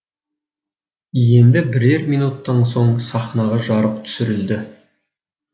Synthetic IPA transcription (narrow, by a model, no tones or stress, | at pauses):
jend̪ɪbɪɾe̞ɾmijnut̪ːɑnso̞ɴsɑχnɑʁɑʒɑɾəp̚t̪ʰʏ̥sɪɾɪld̪ɪ